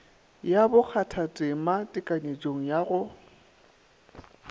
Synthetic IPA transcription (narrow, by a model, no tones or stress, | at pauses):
jabʊk͡xʰatʰatʼematʼɪkʼaɲed͡ʒʼoŋ̩jaɣʊ